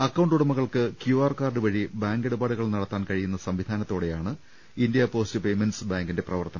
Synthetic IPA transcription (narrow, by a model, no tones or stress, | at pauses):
ɐkːɐwɳɖuɽɐmuɣɐɭkɨkjuaːrkaːrɖɨʋɐɻibaːŋɡe̞ɽubaːɽuɣɐɭnɐɽɐt̪ːaːnkɐɻijunːɐsɐmʋid̪ʱaːnɐt̪ːoːɽe̞jaːɳɨ | indijɐpo̞ːstɨpe̞jmensbaːŋɡinde̞prɐʋɐrt̪ɐnɐ